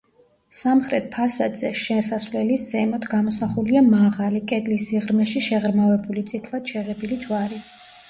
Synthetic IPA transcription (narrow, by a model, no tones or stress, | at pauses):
samχɾɛt̪̚pʰasad̪zɛʃɛsasvlɛlisɛmɔt̪ʰɡamɔsaχuliamaʁalikʼɛd̪lisiʁɾmɛʃiʃɛʁɾmavɛbulit̪sʼit̪ʰlˠad̪̥ʃɛʁɛbilid͡ʒwaɾi